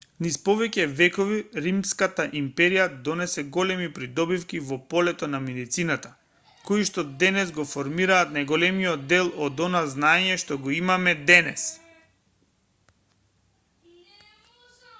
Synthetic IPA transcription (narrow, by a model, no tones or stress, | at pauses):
nispɔvɛcɛvɛkɔviɾimskat̪aʔimpɛɾijad̪ɔnɛsɛɡɔlɛmipɾid̪ɔbifkivɔpɔlɛt̪ɔnamɛd̪it̪sinat̪a | koiʃt̪ɔd̪ɛnɛzɡɔfɔɾmiɾaːt̪najɡɔlɛmiɔd̪ːɛlˠɔd̪ɔnaznaɛɲɛʃt̪ɔɡɔimamɛd̪ɛnɛs